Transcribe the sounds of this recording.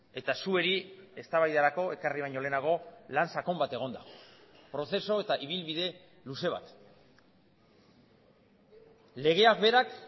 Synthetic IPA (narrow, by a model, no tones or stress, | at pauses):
e̞t̪asue̞ɾie̞st̪aβajðaɾako̞e̞kariβ̞ajɲo̞le̞naɣo̞lansako̞mbat̪e̞ɣ̞o̞nd̪apɾo̞θe̞so̞e̞t̪aʔiβ̞ilβiðe̞ | luse̞β̞a̰t̪ | le̞ɣ̞e̞ak̚be̞ɾak